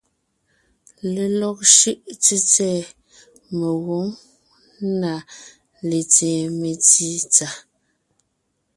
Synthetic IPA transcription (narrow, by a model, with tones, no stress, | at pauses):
le˨lɔ˨k̚ʃʉ˦ʔt͡se˦t͡sɛː˦˨ | me˨ɣo˨˦ŋ | na˨ | le˨t͡sɛː˨me˨t͡si˦t͡sa˨